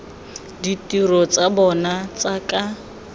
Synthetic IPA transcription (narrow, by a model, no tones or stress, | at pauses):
ditirɔt͡sabɔnat͡sakʼa